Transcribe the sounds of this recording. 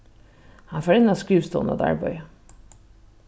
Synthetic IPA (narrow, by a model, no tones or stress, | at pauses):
hɑnfoːɾɪnɑskɾʉːʋst̪o̰ːnɑ̰d̪æ̰ɹbœ̰ʏ